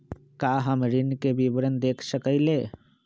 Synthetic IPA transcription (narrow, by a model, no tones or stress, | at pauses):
kaːɦəmɾɪnkebiʋɾənd̪eːkʰsəkəileː